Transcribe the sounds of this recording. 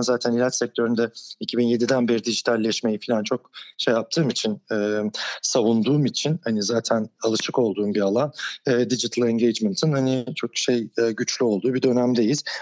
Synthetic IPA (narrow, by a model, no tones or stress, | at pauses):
nzaːt̪ʰænilʲat̪sɛc̚t̪ʰø̞ɾynd̪ɛicʰibinje̞d̪id̪ænbeɾid̪id͡ʒit̪ʰalʲːɛʃme̞jifilʲant͡ʃʰo̞kʃejap̚t̪ʰɯːmit͡ʃʰinɛːsavund̪uːmit͡ʃʰinhanizaːt̪ʰænalˠɯʃɯko̞lˠd̪uːmbialˠanːd̪id͡ʒit̪ʰalˠɛɲɟejd͡ʒmɛnt̪ʰɯnhanit͡ʃʰo̞kʃejːɟyt͡ʃlʲyo̞lˠd̪uːbid̪ø̞næmd̪ejiz̥